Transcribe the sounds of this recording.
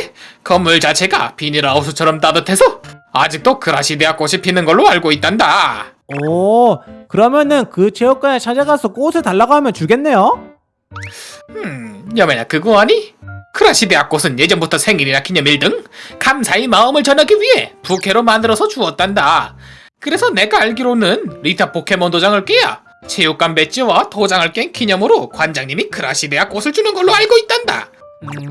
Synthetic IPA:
kʌmːuɭt͡ɕat͡ɕʰe̞ɡa̰piniɾaosʰʌt͡ɕʰʌɾʌmt͈adɯtʰe̞sʰʌa̰d͡ʑik̚t͈okɯɾaɕʰide̞ak͈oɕʰipʰinɯnɡʌɭːoaɭɡoit̚t͈anda | ʌ | kɯɾʌmjʌnɯnkɯt͡ɕʰeʌk͈anet͡ɕʰad͡ʑeɡasʰʌk͈osʰɯtaɭːaɡaɦmjʌnt͡ɕuɡe̞nːe̞jo | ɯjʌmeɲakɯɡuaɲikʰɯɾaɕʰide̞ak͈osʰɯnje̞d͡ʑʌmbutʰʌsʰe̞ŋiɾinakiɲʌmiɭdɯŋkamsʰaimaɯmɯɭt͡ɕʌnaɡiɥiɦe̞pukʰe̞ɾomandɯɾʌsʰʌt͡ɕuʌt̚t͈anda | kɯɾe̞sʰʌne̞ɡaːɭɡiɾonɯnɾitʰapokʰe̞mʌndod͡ʑaŋɯɭk͈eja̰ | t͡ɕejok͈ambe̞t͡ɕ͈iwatod͡ʑaŋɯɭk͈enkiɲʌmɯɾokwand͡ʑaŋɲimikʰɯɾaɕʰideak͈osʰɯɭt͡ɕunɯnɡʌɭːoaɭɡoit̚t͈anda̰

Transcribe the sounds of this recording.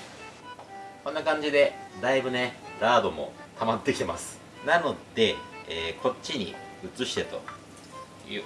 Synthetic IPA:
ko̞nːakãɲ̟d͡ʑid̪e̞d̪aibɯ̟ne̞ɾaːd̪o̞mo̞̰t̪amat̪ːe̞kʲi̥t̪e̞masɨ̥ | nano̞d̪̥e̞ːkʰo̞tt͡ɕːiɲ̟ḭɯ̟t͡sɨɕi̥t̪e̞t̪o̞ | jɯ̰ː

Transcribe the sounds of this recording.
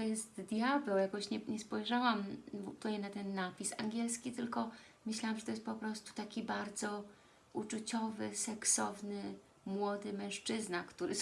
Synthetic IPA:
t̪ɔjɛst̪d̪jabɛwjakɔɕɲɛɲɛspɔjʐawamvut̪uɲɛnat̪ɛnːapʲisaŋɡʲjɛlskʲit̪ɘlkɔ | mɘɕlawamʐɛt̪ɔjɛst̪pɔpɾɔst̪u̥t̪akʲibaɾd̪zɔ | ut͡ʂut͡ɕɔvɘsɛksɔvnɘ | mwɔd̪ɘmɛ̃w̃ʂt͡ʂɘznakt̪uɾɘ

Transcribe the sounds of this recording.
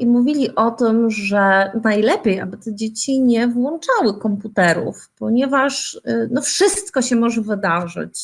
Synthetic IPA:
imuvʲilʲiʔɔt̪ɘmʐɛnajlɛpʲjeja̰bɘt̪ɛd͡ʑet͡ɕiɲɛvwɔnt͡ʂawɘkɔmput̪ɛɾṵfpɔɲɛvaʂnɔfʂɘst̪kɔɕɛmɔʐɛvɘd̪aʐɘ̰t͡ɕ

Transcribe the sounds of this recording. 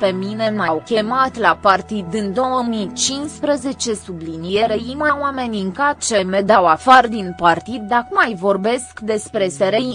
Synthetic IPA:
pe̞mine̞lmawkʲe̞mat̪lapart̪id̪ɨnd̪o̞wəmit͡ʃinspɾəze̞t͡ʃe̞sublinie̞ɾeimawame̞nʲɨŋkat̪t͡ʃe̞med̪awafard̪inpart̪id̪̚ːakmajvo̞rbe̞skd̪e̞spɾe̞seɾe̞j

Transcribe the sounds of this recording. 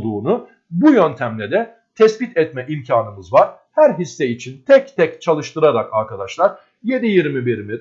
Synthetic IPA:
d̪uːnu | bujønt̪ʰæmlʲɛd̪ɛ | t̪ʰɛsbit̪ʰɛt̪mɛʔimcʰaːnɯmɯzvaɾ̥ | hæɾɦisːɛit͡ʃʰint̪ʰɛct̪ʰɛct͡ʃʰalˠɯʃt̪ʰɯɾaɾakaɾkad̪aʃlˠaɾ̥ | je̞d̪ijiɾmibiɾmi

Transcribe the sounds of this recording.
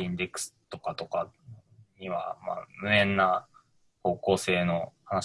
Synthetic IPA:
ĩnd̪e̞kɯ̟̥sɨ̥t̪o̞kat̪o̞ka | ɲ̟iβa̰ma̰ːmɯ̟ẽ̞nːa | ko̞ːko̞ːse̞ːno̞hanaɕ

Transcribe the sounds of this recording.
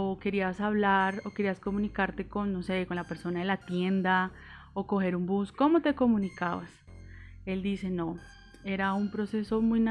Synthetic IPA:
oke̞ɾiasaβlaɾo̞ke̞ɾiasko̞mũnikaɾt̪e̞ko̞nːose̞konlape̞ɾso̞naðelat̪je̞nd̪a | oko̞xe̞ɾumbusko̞mo̞t̪e̞ko̞mũnikaβa̰s | e̞ld̪ise̞no̞ | e̞ɾaumpɾo̞se̞so̞mujna

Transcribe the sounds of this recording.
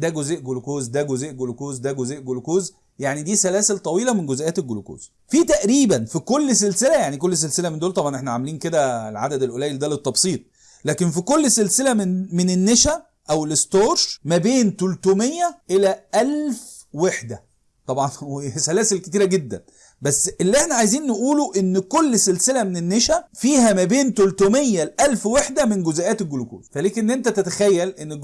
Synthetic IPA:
d̪æɡozeʔɡolokoːzd̪æɡozeːʔɡolokoːzd̪æɡozeːʔɡolokoːz | jaʕnid̪iːsælæːselt̪ˤɑwiːlɑmenɡozʔæːt̪elɡoloko̰ːz̥ | fit̪æʔɾiːbænfikolːs̬elselæjaʕnik̬olːs̬elselæmend̪oːlt̪ˤɑbʕɑnʔeħnæʕameliːnked̪ælʕa̰d̪æd̪elʔolæːjeld̪æːlet̪ːɑbsˤiːt̪ˤ | læːkenfikolːselselæmnmenenːeʃæ | ʔæwelest̪oːɾʃmæbeːnt̪olt̪uːmejːæʔelæʔælf | weħd̪æ | t̪ˤɑbʕɑnwesælæːselket̪iːɾæɡed̪ːæ̰n | bæsːʔelːiʔeħnæʕajziːnːeʔuːloʔenːkolːselselæmenenːeʃæfiːhæmæbeːnt̪olt̪oːmejːælʔælfweħd̪æmenɡozæʔæːt̪elɡolokṵːzfæliːknːʔent̪æt̪et̪æ̥xæjːælʔenːe

